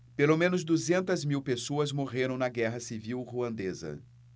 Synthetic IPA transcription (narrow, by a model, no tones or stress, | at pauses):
pelomẽnʊzd̪uzẽnt̪ɐzmiwpesoɐzmoʁeɾɐ̃w̃nɐɡɛɦɐsiviwʁuɐ̃nd̪ezɐ̰